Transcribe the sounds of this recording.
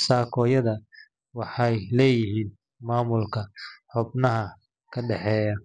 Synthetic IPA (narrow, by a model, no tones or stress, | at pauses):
saːkʰɔːjɐðɐ | wɑħɑjlɛːjɪɦiːn | maːmʊlkʰɐħʊbnɐɦɐ | kʰɐɖɛħɛːjɐ